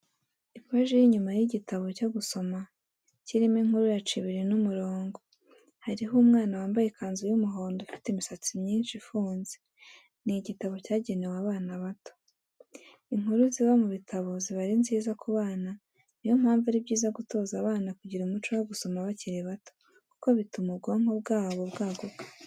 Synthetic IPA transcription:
ipwaʒijiɲumajiɟitaβo̞caɡuso̞ma | ciɾimeŋ̥uɾujat͡ʃiβiɾinumuɾoːŋɡo | haɾiɦumŋaːnawaːmbajekaːnzujumuɦoːndofi̥temisat͡simɲiːnʃifuːnze̥ | niɟitaβo̞caːɟe̞newaβaːnaβato | iŋ̥huɾuziβamuβitʰaβo̞ziβaɾinziːzakʰuβaːna | nijo̞m̥aːɱvuɾibɟiːzaɡuto̞ːzaβaːnakuɟiɾumut͡ʃojaɡuso̞maβaciɾeβato̥ | ku̥ko̞βitumubɡaŋ̥ho̞b̚ɡaːβo̞βɡaːɡoɡ̥ḁ

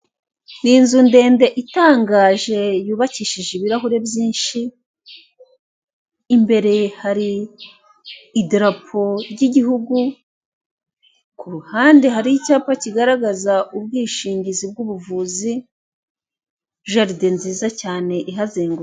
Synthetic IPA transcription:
niːnzunde̞ːnde̞ʔitaːŋɡaːʒe̞juːβaciːʃiʒeβiɾaɦuɾe̞bjiːnʃi | mbe̞ɾe̞haɾi | dɾapʰo̞ɾɟiɟihuɡu | kuɾuhaːndeɦaɾiicaːpaciɡaɾaɡazaʔub̚ɡiːʃiːɲɟizib̚ɡuβuvuːzi | ʒaɾidenziːzacaːne̞ʔiɦazeːŋɡo

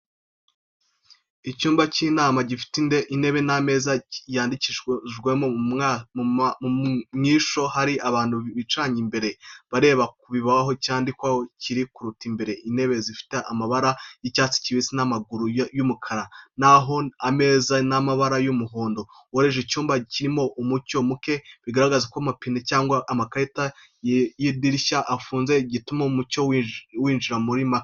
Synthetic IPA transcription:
icuːmbaciːnaːmaɟifi̥tindeʔine̞βe̞namezajaːndiciʒɡwemo | mumɲiʃo̞haɾiaβaːn̥huβit͡ʃaːɲimbe̞ɾe̞βaɾe̞ːβak̚uβiβawaɦo̞caːndikwaociɾikuɾutimbe̞ɾe̞ʔine̞βezifi̥teʔamaβaɾajicaːt͡si̥ciβisinamaɡuɾujumukʰaɾanaɦo̞ame̞ːzanamaβaɾajumuɦoːndo | woɾeʒecuːmbaciɾimo̞ʔumuco̞muke̞βiɡaɾaɡazakwamapinecaːŋɡwaʔːmakaita | jidiɾiʃaʔːfuːnzeɟitumaumucowwiːnʒiɾamuɾimak

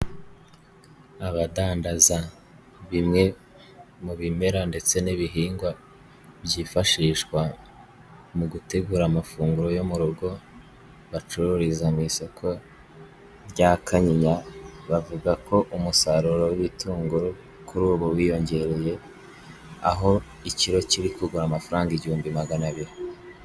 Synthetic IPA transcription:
aβadaːndaza | βimŋe̞ | muβime̞ɾande̞t͡se̞niβiɦiːŋɡwa | bjiːfaʃiːʃkwa | muɡute̞ɡuːɾamafuːŋɡuɾo̞jomuɾuɡo̞ | βat͡ʃuɾuɾizamisokʰo̞ | ɾɟakʰaɲiɲaβavuɡako̞ʔumusaɾuɾowiβituːŋɡuɾo | kʰuɾuːβowijo̞ɲɟe̞ɾe̞je̞ | a̰ɦo̞ | iciɾo̞ciɾikuɡuɾamafaɾaːŋɡiɟihuːmbimaɡanaβiɾi

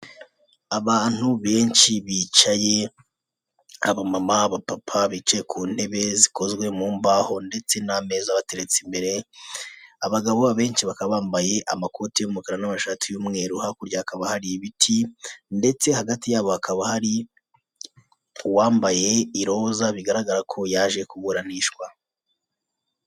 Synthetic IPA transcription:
aβaːn̥huβe̞ːnʃiβiːt͡ʃaje̞ | aβomamaβapapʰaβiːt͡ʃajekʰuːn̥e̞βe̞ziko̞zɡwe̞muːmbaːho̞nde̞t͡se̞name̞ːzaβate̞ɾet͡simbe̞ɾe̞ | aβaɡaβoβaβe̞ːnʃiβakaββaːmbaje̞ʔa̰mako̞tijomukaɾanamaʃatʰijumŋe̞ːɾuhakuɾɟaːkaβahaɾiβitʰinde̞t͡se̞haɡatijaːβo̞hakaβahaɾi | waːmbaje̞iɾo̞ːzaβiɡaɾaɡaɾakʰo̞jaʒe̞kuβuɾaniːʃkwa

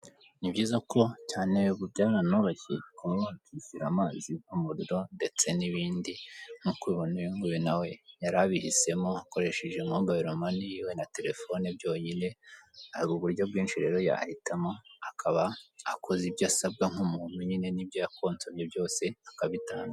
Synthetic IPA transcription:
nibɟiːzako̞caːne̞βubɟaːβanoɾoçḭkuokiziɾamaːziumuɾuɾo̞nde̞t͡se̞niβiːndinukwiːβoniiŋɡujenawe̞jaɾaβihise̞mo̞ako̞ɾe̞ʃeʒemobaiɾomanijiwe̞nate̞ɾe̞fo̞neb̚jo̞ːɲine̞ahɾuβuɾɟo̞b̚ɡiːnʃiɾe̞ɾo̞ja̰hitamoakʰaβaːkʰo̞zibjaːsab̚ɡaŋ̥umuːn̥uɲine̞nibjoako̞ːnt͡soɲjebjo̞ːse̞akaβitaːŋɡa

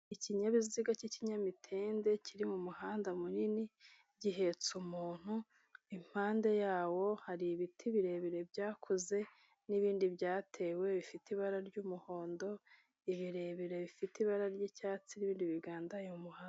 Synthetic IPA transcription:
iciɲaβiziɡaciciɲamitʰeːnde̞ciɾimumuhaːndamunini | ɟiɦe̞t͡sumuːn̥hu | im̥haːnde̞jaːwo̞haɾiβitʰiβiɾe̞βeɾe̞bɟaːkʰoze̞ | niβiːndibɟaːtʰe̞ːwe̞βifitiβaɾaɾɟuːmuho̞ːndo̞ | iβiɾe̞βeɾe̞βifitiβaɾaɾɟicaːt͡siniβiːndiβiɡaːndajmumuhaːn

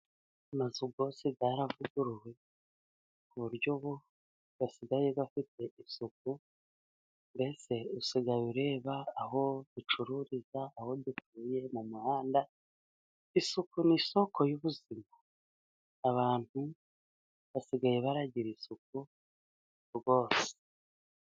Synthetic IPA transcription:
amazuɡo̞ːse̞ɡaːɾavuɡuɾuwe̞ | kuβuɾɟoβo | βasiɡajeβafite̞isuk̚u | mbe̞se̞usiɡajuɾe̞ːβaːho̞dut͡ʃuɾuɾizaːho̞difuːje̞mumuhaːnda | isukuniso̞ko̞juβuzimo | aβaːn̥hu | βasiɡaje̞βaɾaɟiɾisuk̚u | ɾɡo̞ːse̥

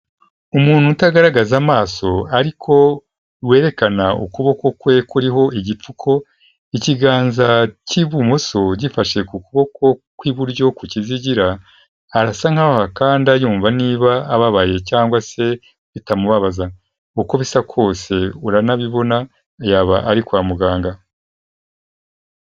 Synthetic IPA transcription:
umuːn̥hutaɡaɾaɡazamaːso̞aɾikʰo̞ | we̞ːɾe̞kanaṵkuβo̞ko̞kweːkuɾiɦo̞ʔiɟip͡fukʰo̞ | iciɡaːnzaciβumoso̞ɟifaʃe̞kukuβo̞kʰo̞kwiβuɾɟo̞kuciziɟiɾaː | ɾasaŋ̥haɾohakaːndiajuːɱvaniːβaːβaβaje̞caːŋɡwase̞ | βitamuβaβaza | uko̞βisakʰwo̞ːse̞uɾanaβiβo̞na | jaβaʔaɾikwaːmuɡaːŋɡa

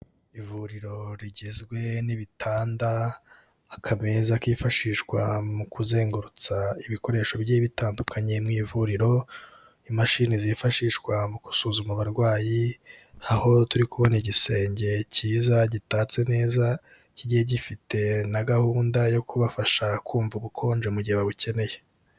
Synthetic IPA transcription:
ivuɾiɾo̞ɾiɟezɡwe̞niβitʰaːndaː | kʰamezakiːfaʃiːʃkwa̰mukuze̞ːŋɡuɾut͡saiβiko̞ɾe̞ːʃo̞bjeːβitaːndukʰaɲe̞mŋiːvuɾiɾo̞ | imaʃinizifaʃiːʃwamuku̥suːzumaβaɾɡwaːjiaho̞tuɾikuβoniɟise̞ːɲɟe̞ciːzaɟitaːt͡se̞ne̞ːza | ciɟiheɟifite̞naɡahuːndajo̞kuβafaʃakʰuːɱvuɡukʰo̞ːnd͡ʒemuɟiheβaβuce̞ne̞je̞

